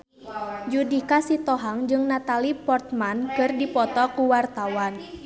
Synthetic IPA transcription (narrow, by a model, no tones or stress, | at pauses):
d͡ʒudikasit̪ɔɦaŋd͡ʒɨŋnat̪alipɔrt̪mankɨrdipɔt̪ɔkuwart̪awan